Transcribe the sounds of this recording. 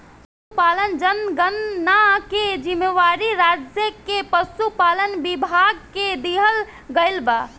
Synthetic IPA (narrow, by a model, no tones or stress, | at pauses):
supalənd͡ʒənɡənːaked͡ʒimːeʋaɾiɾad͡ʒjəkepəsupalənbibʱaɡ̚ked̪iɦəl | ɡəɪlba